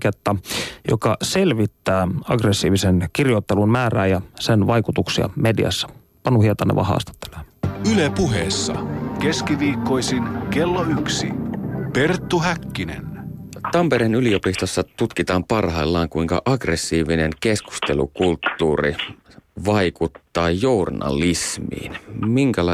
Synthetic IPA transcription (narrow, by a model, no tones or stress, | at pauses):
ket̪ːɑjo̰kɑselʋit̪ːæːɑɡresːiːʋisenkirjo̞t̪ːelunmæːræːjɑsenʋɑjkut̪uksiɑ̰medḭɑ̰sːɑ̥ | pɑnuhiɑt̪ɑnːḛʋɑ̰hɑ̰ːst̪ɑ̥t̪ːe̥leːnylepuɦeːsːɑ̰ke̞skiʋiːkːo̞isinke̞lːoyksḭpe̞rt̪ːuɦækːinḛnt̪ɑmpeɾenylio̞pist̪osːɑt̪ut̪kit̪ɑːmpɑrhɑilːɑːŋkuiŋkɑ̰ʔɑɡresːiːʋineŋke̞sku̥st̪e̞lṵkult̪ːuːri | ʋɑjkut̪ːɑːjournɑ̰lismḭːnmiŋkælɑ